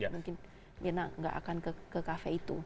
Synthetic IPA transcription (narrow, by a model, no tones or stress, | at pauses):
mũŋkɪn | ənaʔŋɡa̰ʔa̰kankəkəkafɛit̪u